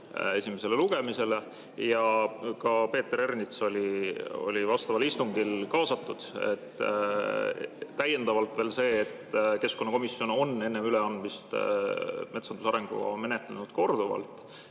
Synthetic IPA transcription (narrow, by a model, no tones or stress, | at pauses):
e̞sʲime̞se̞le̞luɡ̥e̞mise̞le̞ | jɑkɑpe̞ːt̪ːeɾernit̪so̞lʲio̞̰lʲivɑst̪ɑvɑlist̪uŋɡ̥ilkɑːsɑt̪ːˑud̪̥e̞̰t̪ː | æje̞nd̪ɑvɑlt̪ˑve̞ːlse̞ːt̪ːke̞skonːɑko̞misːjo̞no̞nːe̞nːemyleɑnd̪mist̪ | me̞t̪sɑnd̪usɑɾe̞ŋɡ̥ṵɡɑ̰nme̞ne̞t̪ˑlenud̪̥̚ko̞rd̪uvɑ̰lt̪ˑ